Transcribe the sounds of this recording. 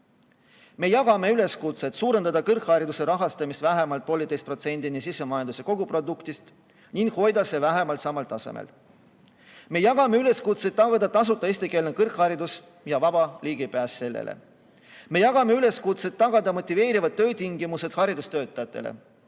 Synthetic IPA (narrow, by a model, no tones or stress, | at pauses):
me̞jɑɡ̥ɑme̞yle̞skut̪se̞t̪suːɾend̪ɑd̪ɑkɤrkhɑɾid̪use̞ɾɑɦɑst̪ɑmist̪væɦe̞mɑlt̪̚po̞lit̪ejst̪̚pro̞t̪se̞nʲd̪̥inisisːemɑjɑnd̪use̞ko̞ɡ̥upro̞d̪ukt̪ist̪ | ninɡ̥̪ho̞jd̪ɑse̞væɦe̞mɑlt̪sɑmɑlt̪ːˑɑse̞̰mḛl | me̞jɑɡ̥ɑmeyle̞skut̪se̞t̪ːɑɡ̥ɑd̪̥ɑt̪ːɑs̬ut̪ːˑɑesʲt̪ike̞ːlnekɤrkhɑɾid̪us | jɑvɑb̥ɑliːɡ̥ipæːsse̞lːḛlʔḛ | me̞jɑɡ̥ɑme̞yle̞skut̪se̞t̪ːɑɡ̥ɑd̪ɑmo̞t̪ːˑive̞ːɾivɑd̪̚t̪ːø̞ːt̪iŋɡimuse̞d̪̥hɑɾid̪ust̪ø̞ːt̪ːˑɑjɑt̪ˑːe̞̰lḛ